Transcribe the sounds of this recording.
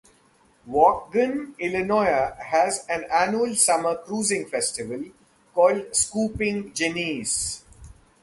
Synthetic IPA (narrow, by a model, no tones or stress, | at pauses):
ʋɔːk̚ɡə̃nɪlɪnɔɪəhæzæ̃nænjuəlsʌməkɾuːzɪ̃ŋfɛsʈɪʋəl | kɔːlɖskuːpɪ̃ŋd͡ʒɪniːz̥